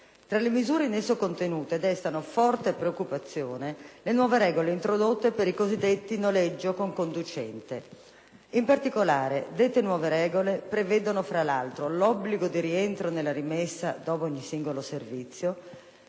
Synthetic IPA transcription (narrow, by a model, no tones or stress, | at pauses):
t̪ɾalemizuːɾenesukont̪enuːt̪ed̪ɛst̪anofɔrt̪epɾeokːupat̪sːjoːnelenwɔːveɾɛːɡoleint̪ɾod̪ot̪ːepeɾikozid̪ːet̪ːinoled͡ʒːokoŋkond̪ut͡ʃɛnt̪e | impart̪ikolaːɾed̪et̪ːenwɔːveɾɛːɡolepɾevɛːd̪onofɾalalt̪ɾolɔbːliɡod̪iɾient̪ɾonelːaɾimesːad̪ɔːp̬oɔɲːisiŋɡoloservit̪sːjo